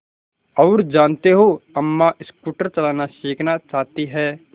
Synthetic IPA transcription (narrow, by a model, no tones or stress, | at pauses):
ɔːɾd͡ʒaːnt̪eɦoɐmːaʔɪskuːʈəɾt͡ʃɐlaːnaʃeːkʰnat͡ʃaːɦt̪iɦɛː